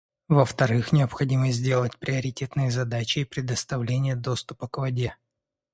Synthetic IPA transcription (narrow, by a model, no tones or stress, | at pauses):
vəft̪ɐɾɨxnʲɪəpxɐdʲiməzʲdʲe̞lˠətʲpɾʲɪɐɾʲɪtʲe̞t̪nɨjəzɐd̪at͡ɕɪːpɾʲɪd̪əst̪ɐvlʲenʲɪjəd̪o̞st̪ʊpəkvɐdʲe̞